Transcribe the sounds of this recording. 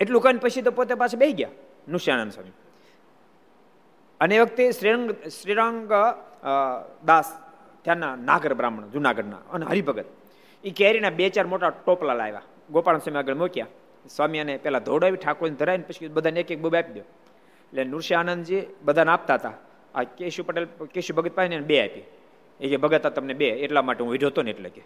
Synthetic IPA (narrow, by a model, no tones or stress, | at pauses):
eʈlukanpəɕit̪̬opot̪epasʰabeiɡja̰ | nuɾʃianənd̪sʋa̰mi | əneʋəɡ̚t̪esɾiɾaŋɡsɾiɾaŋɡ | d̪as | t̪janːanaɡəɾbɾamɳd͡zunaɡəɽna̰ənɦə̰ɾibəɡət̪̚ | ikeɾinabet͡ɕaɾmoʈaʈoplala̰jʋa̰ | ɡopaɽənsamiaɡəɭmokija | sʋamijanepjɛlad̪ʱoɽaʋiʈʰakond̪ʱəɾainpəɕkibəd̪ʱanekek̚bubapid̪jo | lenːuɾɕianənd̪d͡ʑibəd̪ʱanap̚t̪at̪a | a̰keɕupəʈelkeɕubəɡət̪̚paɦinanbea̰jpi | ekebəɡət̪at̪əmnebeeʈlamaʈeũʋiɾʱot̪oneʈlə̰ke